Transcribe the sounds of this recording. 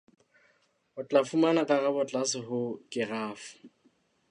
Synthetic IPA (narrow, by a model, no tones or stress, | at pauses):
ʊt͡ɬʼafumanakʼarabɔt͡ɬʼasɪɦʊkʼɪraːfʊ̥